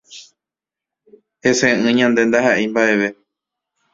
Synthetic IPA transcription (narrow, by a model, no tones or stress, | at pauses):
hesẽɨ̃ɲãnd̪e̞nd̪aɦaʔembaʔe̞ʋe̞